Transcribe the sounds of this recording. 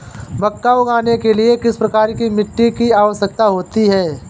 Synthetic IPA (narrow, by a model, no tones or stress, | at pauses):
mɐkːaːoɡaːnekeliekɪspɾɐkaːɾkimɪʈːikiaːʋəsjək̚t̪aɦoːt̪iɦɛː